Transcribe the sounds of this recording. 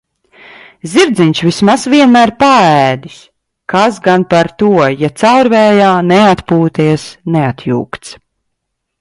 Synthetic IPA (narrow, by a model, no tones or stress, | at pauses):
zʲiɾd̪ziɲʲt͡ʃvismasviɛnmæːɾpaæːd̪is | kasɡanpaɾt̪uɔjat̪sawɾvɛːjaːnɛat̪puːt̪iɛsnɛat̪ʰjṵːkt̪s